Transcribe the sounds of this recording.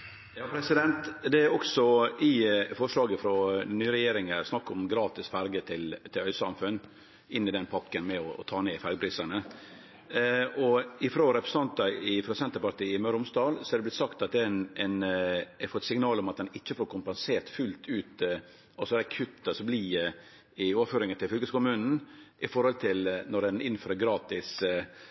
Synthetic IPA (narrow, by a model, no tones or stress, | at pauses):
jɑːpʰɾɛsɪd̪ɛnt̪d̪ɛæɾɔksɔɪfɔʂɭɑːɡəfɾɔnyːɾɛjeːɾɪŋəsnɑkːɔmɡɾɑːt̪ɪsfæɾɡət̪ʰɪlt̪ʰɪlœʏsɑ̰mfʉnː | ɪnːɪd̪ɛnpʰɑkːənmɛɔɔ̰t̪ʰɑːneːfæɾɡəpʰɾiːsənə | ɔɪfɾoːɾɛpɾɛsɑnt̪ɑɪfɾɔsɛnt̪əɾpɑɾt̪iːɪmœɾʊmsd̪ɑːlsɔ̥hæɾd̪ɛblɪt̪sɑkt̪ɑt̪ɛnɛnɛfɔt̪sɪŋnɑːlɔmɑt̪d̪ɛnɪt͡ʃːəfoːɾkʰʊmpɛnseːɾt̪fʉlt̪ʰʉːt̪ | ɑsɔɾɛkʰʉt̪ːəsɔbliː | ɪoːʋəɾføːɾɪŋənt̪ʰɪlfʏlkəskʊmʉːnn̩ʔɪfɔɾhɔlt̪ʰɪlnɔɾɛnɪnːføːɾəɾɡɾɑːt̪ɪs